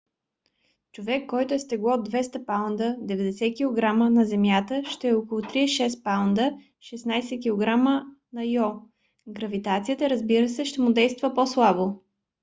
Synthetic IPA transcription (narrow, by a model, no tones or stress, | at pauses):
t͡ʃovɛkːɔjt̪ʊɛst̪ɛɡlˠɔd̪vɛst̪əpawnd̪əd̪ɛvɛd̪ɛsɛkʲilˠoɡɾamənɐzɛmjat̪əʃt̪ɛɛɔkəlˠʊt̪ɾiɛʃɛspawnd̪ə | ʃɛsnajsɛkʲilˠoɡɾamənɐjɔ | ɡɾəvit̪at̪sijət̪əɾəzbiɾəsɛʃt̪ɛmʊd̪ɛjst̪vəposlˠabo